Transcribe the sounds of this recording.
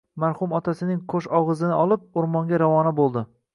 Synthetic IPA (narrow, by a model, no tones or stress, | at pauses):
maɾhʊmɒt̪ʰasɪnɪŋkʰoʃɒʁɨzɪnɪɒlˠɪp̚ʊɾmɒŋɡʲaɾavɒnabolˠd̪ɪ